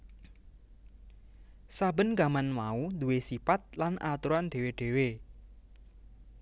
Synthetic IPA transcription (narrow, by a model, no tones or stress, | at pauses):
sabə̤nɡamanmaud̪uwesipat̪̚lanʔat̪uɾand̪̥e̤weɖ̪̥e̤we